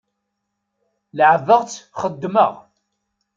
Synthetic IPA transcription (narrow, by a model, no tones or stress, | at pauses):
lʕəvəʁt͡sːχəd̪ːmə̰ʁ